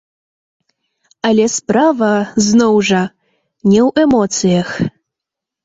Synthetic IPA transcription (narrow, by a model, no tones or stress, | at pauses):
ɐlʲɛspɾavɐznɔwʐɐ | nʲɛwɛmɔt̪sɨjɐx